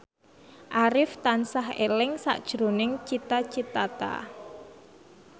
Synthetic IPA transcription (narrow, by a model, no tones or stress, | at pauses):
ʔaɾɪft̪ansahḛlɪŋsa̰ʔd̥ʒ̥ɾonɪŋt͡ʃit̪at͡ʃit̪at̪a̰